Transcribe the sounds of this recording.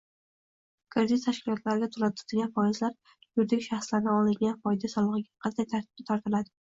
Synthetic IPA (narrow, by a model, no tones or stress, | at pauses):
kʰɪɾd̪ɪt̪t̪ʰaʃkʲɪlˠɒt̪ʰlaɾɪɡʲat̪ʰʊlat̪ʰt̪ʰɪɡʲanfɒɪzlaɾ | jʊɾd̪ɪɡʲɪʃaχslaɾnɪɒlˠɪŋɡʲanfɒjd̪asɒlˠɨʁɨɡʲaqʰɑnd̪ajt̪ʰaɾt̪ʰɪb̥̚d̪at̪ʰaɾt̪ʰɪlad̪ɪ